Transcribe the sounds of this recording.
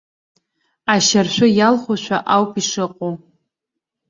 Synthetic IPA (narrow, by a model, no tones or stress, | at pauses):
aʃarʃʷᶣʊjalχʷoʃʷʰᶣa̰ʔawpʰiʂɨqʼo